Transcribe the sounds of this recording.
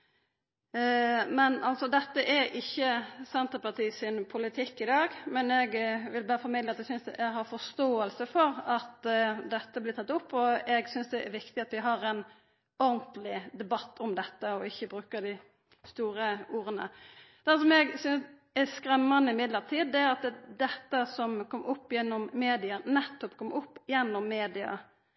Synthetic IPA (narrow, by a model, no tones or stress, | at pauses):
mɛnɑlt̪sɔd̪ɛt̪ːəʔɛɾʔɪçːəsɛnt̪əpɑʁt̪ʰiːsɪnpʰʊlɪt̪ʰɪkːɪd̪ɑːɡmɛnɛɡʋɪlbæːɾəfɔɾmɪd̪ləɑt̪ɛsʏnsd̪ɛʔɛɦɑfɔst̪oːəlsəfɔɾɑt̪d̪ɛt̪ːəblɪːt̪ʰɑt̪ːʊpːɔɛɡsʏnsd̪ɛɛʋɪkt̪ɪɑt̪ʋɪɦɑɾɛn | ɔʁnt̪lɪd̪ɛbɑt̪ːʰɔmd̪ɛt̪ːəɔɪçːəbɾʉːkəd̪ɪ | st̪uːɾəuːɾənə̰ | d̪̥ɛsɔmɛɡsʏns | æskɾɛmːɑnəɪmɪd̪ləʁt̪ʰiːd̪d̪ɛæɾɑt̪d̪ɛt̪ːəsɔmkʰɔmːʔʊpːjɛnːɔmːeːd̪ɪɑnɛt̪ːɔpkʰɔmːʔʊpːjɛnːɔmːeːd̪ɪɑ̰